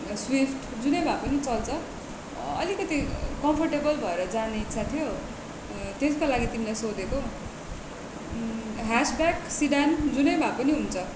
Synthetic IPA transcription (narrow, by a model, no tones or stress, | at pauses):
swipʰʈ | d͡zunʌjbʱapʌnit͡sʌlt͡sʰʌ | ʌ̰likʌt̪ikʌmpʰʌrʈebʌlbʱʌeɾʌd͡zaneitːsʰat̪ʰijo | t̪eskolaɡit̪imilajsod̪eko | ɦasbaksiɖand͡zunʌjbʱapʌniɦunt͡sʰʌ